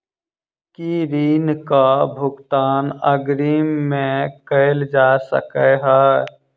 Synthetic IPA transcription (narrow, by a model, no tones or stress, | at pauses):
kiɾiːnkabʱʊɡt̪aːnəɡɾiːmːẽkəɪld͡ʒaːsə̰kəɦɛː